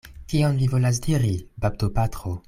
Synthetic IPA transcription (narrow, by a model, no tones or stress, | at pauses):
kiɔnvivolas̬diʁibab̚dopat̪ʁo